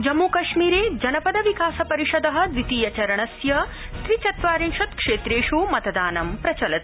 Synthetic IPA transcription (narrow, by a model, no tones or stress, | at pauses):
d͡ʒɐmːuːkɐʂmiːɾeːd͡ʒɐnɐpɐd̪ɐʋikaːsɐpɐɾiʃɐd̪ɐɦɐ̆d̪ʋit̪iːjɐt͡ʃɐɾɐɳɐsjɐst̪ɾit͡ʃɐt̪ʋaːɾinʃɐt̪kʂeːt̪ɾeːʃumɐt̪ɐd̪aːnɐmpɾɐt͡ʃɐlɐt̪̚